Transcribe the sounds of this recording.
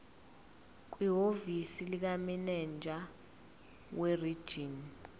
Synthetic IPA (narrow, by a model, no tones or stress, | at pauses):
k̬wiɦovisilik̬aminɛnd͡ʒʱa | werid̥ʒ̥ʱin